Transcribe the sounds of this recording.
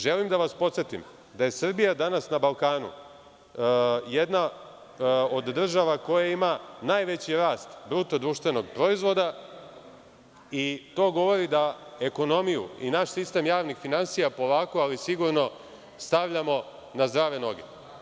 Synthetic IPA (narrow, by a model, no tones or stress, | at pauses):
ʒe̞limd̪aʋaspo̞t̪sjet̪ḭm | d̪aje̞sr̩bijad̪anasnabalˠkaːnṵ | je̞d̪na | o̞d̪d̪ːr̩ʒaʋako̞jaimanaːjʋe̞t͡ɕiɾaːst̪bɾut̪od̪ɾuːʃt̪ʋe̞no̞ɡpɾo̞izʋo̞d̪a | it̪o̞ːɡo̞ʋo̞ɾid̪ae̞ko̞no̞mijṵḭnaʃsist̪e̞mjaːʋnixfinansijapo̞ʋaːkoalisiɡuɾno̞ | st̪aʋʎamo̞ | nazd̪ɾaːʋe̞no̞ɡe̞̰